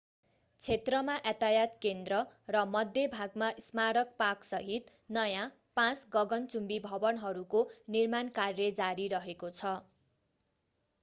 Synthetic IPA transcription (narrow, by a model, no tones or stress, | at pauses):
t͡sʰet̪rʌmaʔat̪ajat̪kend̪rʌrʌmʌd̪ʱjebʱaɡmaʔismaɾʌk̚paksʌɦit̪ | nʌjã | pãt͡sɡʌɡʌnt͡sumbibʱʌbʌnɦʌɾukonirmankarːʌd͡zaɾiɾʌɦekot͡sʰʌ